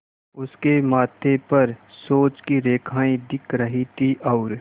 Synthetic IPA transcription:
ʊskemaːt̪ʰepɐɾsoːt͡ʃkiɾeːkʰaːĩd̪ɪkʰɾɐɦit̪ʰiʔɔʊɾ

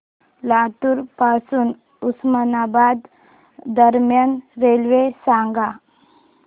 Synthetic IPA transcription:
laʈ̪uɾpasuːn | usmənabad̪ː | əɾmjanɾelʋesãŋɡa

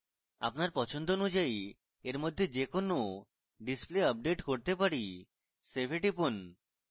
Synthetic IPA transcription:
a̰pnaɾpɔt͡ɕʰond̪oonud͡ʑai | eɾmod̪ʱːed͡ʑekono | ɖispleəp̚ɖeʈkoɾt̪epaɾi | sebʱeʈipon

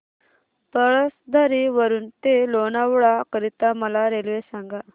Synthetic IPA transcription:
t̪əɭəsd̪ʱaɾiʋəɾuːnt̪elonaʋɭakəɾit̪aməlaɾelʋesãŋɡa

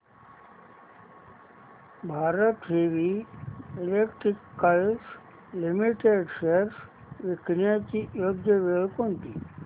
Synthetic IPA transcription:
bʱaːɾət̪ʋeʋi | ilekʈɾikːəls | limiʈeɖʃeɾs | ʋiknjat͡ɕijod̪jəʋeɭkont̪i

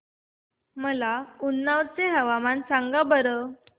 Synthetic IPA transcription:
məlaunːaʋt͡seɦəʋamansaŋɡabəɾə

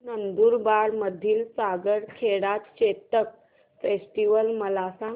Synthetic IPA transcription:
nənd̪uːɾbaɽməd̪ʱːiːlsaɡəɽkʰeɽat̪ɕet̪ək̚ | fesʈiʋəlməlasã

